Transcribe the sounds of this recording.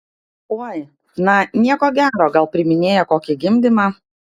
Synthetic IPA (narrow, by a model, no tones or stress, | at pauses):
oːj | nɐnʲiɛkoːɡʲæːɾoːɡɐlˠpʲɾʲɪmʲɪnʲeːjɛkoːkʲɪɡʲɪmʲd̪ʲɪmɑ